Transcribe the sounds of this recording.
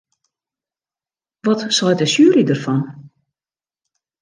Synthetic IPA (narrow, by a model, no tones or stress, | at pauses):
ʋɔtsɔjtəsyəridərfɔn